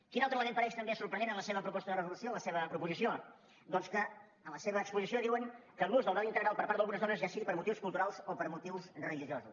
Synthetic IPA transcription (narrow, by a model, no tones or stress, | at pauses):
kinalˠt̪ɾəlˠəmẽnpəɾɛʃt̪əmbesuɾpɾənenənləseβəpɾupɔst̪əðərəzulusioənləseβəpɾupuzisio | d̪ɔnskə | ələseβəːkspuzisioðiwəŋkəlˠɣuzðəlˠd̪ɔnint̪əɣɾalˠpəɾpaɾtðəlˠɣunəzðonəzʒasiɣipəɾmut̪iwskulˠt̪uɾalˠzopəɾmut̪iwsrəliʒiozṵs